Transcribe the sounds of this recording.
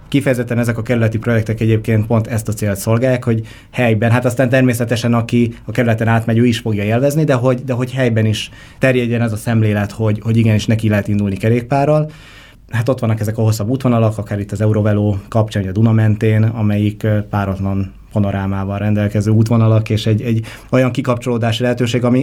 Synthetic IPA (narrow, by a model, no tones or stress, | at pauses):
kifɛjɛzɛt̪ːɛnɛzɛkɒkɛɾylɛt̪ipro̞jɛk̚t̪ɛkɛɟeːp̚keːnt̪̚po̞nt̪ɛst̪ɒt̪seːlt̪so̞lɡaːjːaːkho̞ɟ | hɛjbɛnɦat̪ɒst̪aːnt̪ɛrmeːsɛt̪ɛʃɛnɒkiɒkɛɾylɛt̪ɛnaːt̪mɛɟøːiʃfo̞ɡjɒelvɛznid̪ɛɦo̞ɟd̪ɛɦo̞ɟhɛjbɛniʃ | t̪ɛrjɛɟːɛnɛzɒsɛmleːlɛt̪ho̞ɟho̞ɟiɡɛniʃnɛkilɛɦɛt̪ind̪ulikɛɾeːk̚paːrɒl | ɦat̪o̞t̪ʋɒnːɒkɛzɛkɒɦo̞sːɒbːuːt̪ʋo̞nɒlɒkɒkaːɾit̪ːɒzɛuɾovɛloːkɒpt͡ʃanɒd̪unɒmɛnt̪eːnɒ̰mɛjikpaːɾɒt̪lɒn | pɒno̞ɾaːmaːvɒlrɛnd̪ɛlkɛzøːuːt̪ʋo̞nɒlɒkeːʃɛɟɛɟ | o̞jɒŋkikɒp̚t͡ʃo̞loːd̪aːʃilɛɦɛt̪øːʃeːɡɒmi